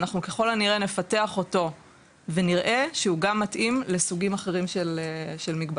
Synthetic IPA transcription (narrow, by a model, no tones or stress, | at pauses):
naχnukeχo̞laniʁene̞fate̞aχo̞to̞ | ve̞niʁʔe̞ʃeuɡamːatʔimlesuɡimaχe̞ʁimʃelʃelmiɡba